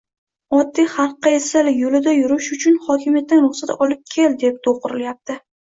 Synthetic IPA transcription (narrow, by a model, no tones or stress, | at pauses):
ɒd̪ːijχɑɾqːɑesalɪjolɪd̪ajʊɾʊʃʊt͡ʃʰʊnχɒkʲʰɪmijat̪̚ːanɾʊχsat̪ɒlɪp̚kʲʰe̞ld̪e̞p̚d̪ʰoqʊɾɪljap̚t̪ʰɪ